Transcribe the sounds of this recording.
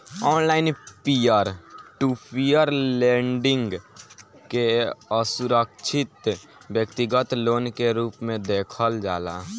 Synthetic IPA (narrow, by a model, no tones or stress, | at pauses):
ɔːnlaːɪnpijəɾʈupʰijəɾlẽːɳɖɪ̃ŋɡ | keəsʊɾəkt͡ʃʰɪt̪wjəkt̪ɪɡət̪loːnkeɾuːpmẽd̪eːkʰəld͡ʒaːla̰ː